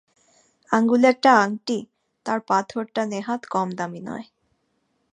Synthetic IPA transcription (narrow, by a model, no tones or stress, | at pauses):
aŋɡulɛk̚ʈaaŋʈi | t̪aɾpat̪ʰoɾʈaneɦat̪kɔmd̪aminɔ̰e